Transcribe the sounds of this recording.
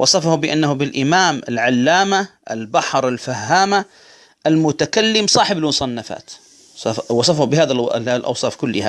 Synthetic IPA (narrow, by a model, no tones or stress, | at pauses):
wʔɑsˤɑfahʊbɪʔanːahʊbɪlʔɪmaːmɪlʕalːaːmaʔɪ̰lbaħɾˤɪlfahːaːma | ʔɪlmʊt̪akalːɪmsˤɑːħɪbɪlmʊsˤɑnːafa̰ːt̪ | ɑwɑsˤɑfhʊbɪɦaːðalʔɑ̰wsˤɑːfkʊlːɪha